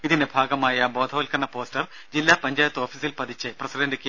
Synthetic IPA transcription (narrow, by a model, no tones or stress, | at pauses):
iðindebʱaːɡɐmaːjɐbo̞ːd̪ʱɐʋɐlkɐɳːɐpo̞ːstɐr | d͡ʑilːaːpɐɲd͡ʑaːjɐt̪ːo̞ːfisilpɐd̪ʱit͡ɕːɨprɐsidɐndɨkʲːe